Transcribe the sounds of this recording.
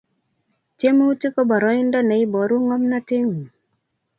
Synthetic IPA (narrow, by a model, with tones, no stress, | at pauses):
tje˦mo˦u˦tɪ˦kɔ˦bɔ˨ɾɔ˨˦ɪ˦ndɔ˦nɛ˨ɪ˦bɔ˨ɾu˦ŋɔ˦mna˦tɪ˦ŋ˨